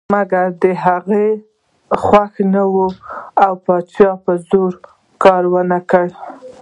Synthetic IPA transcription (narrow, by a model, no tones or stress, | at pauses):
maɡaɾd̪əɦaɣe | xwaxnawuawpɑt͡ʃjɑpəzoɾ | kɑɾwənakəɽ